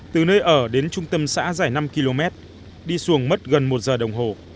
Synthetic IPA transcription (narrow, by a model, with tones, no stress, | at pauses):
t̪ɨ˨˩nəː˧jʔəː˧˩ɗe˨˦nt͡ɕʊ˧ŋ͡mt̪ə˧msa̰ː˧˥zaː˧˩jna˧mki˧lo˧mɛ˦˥t̚ | ɗi˧su˨˦˩əŋmə˦˥t̚ɣə˨˩nmo˨˩t̚zəː˨˩ɗə˨˩wŋ͡mɦo˨˩